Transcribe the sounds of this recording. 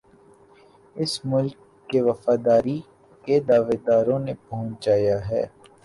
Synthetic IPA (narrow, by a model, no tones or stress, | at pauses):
ɪsmʊlkː | eʋɐfaːd̪aːɾi | ked̪aːʋeːd̪aːɾõnepɐɦʊ̃t͡ʃd͡ʒaːjaɦɛ̰ː